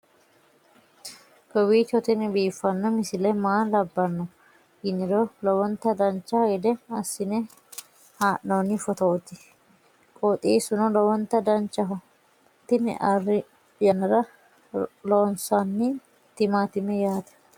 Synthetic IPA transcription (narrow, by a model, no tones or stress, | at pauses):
kɔwiːt͡ʃɔt̪ɪnɪbiːfːɐnːɔmɪsɪlɐmaːnlɐbːɐnːɔ | ɪnːɪɾɔlɔwɔnt̪ɐd̪ɐnt͡ʃːɐɛd̪ɛɐsːɪnɛ | haːʔnɐnːɪfɔt̪ɐʔɔt̪ɪ | kʼɔt̪ʼiːsʊnɔlɐwɔnt̪ɐd̪ɐnt͡ʃːɐɦ | t̪ɪn̰ʔɐrːɪ | jɐnɐɾɐ | loːnsanːɪ | t̪ɪmaːt̪ɪmɛjaːt̪ɐ̥